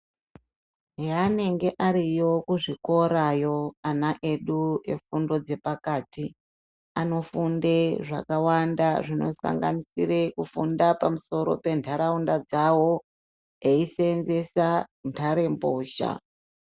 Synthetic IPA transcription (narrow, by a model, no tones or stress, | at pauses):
ane̞ŋɡe̞ʔaɾijo̞kuʐiko̞ɾajo̞anaʔe̞ɗue̞̰fundo̞d͡ze̞pakaːti | ano̞fundeʐa̰kawandaʐino̞̰sa̰ŋɡa̰nisḭrekufundapamuso̞ɾo̞̰pe̞ntʰaɾaundad͡zawo̞ | eisenze̞santʰaɾe̞mboːʃa̰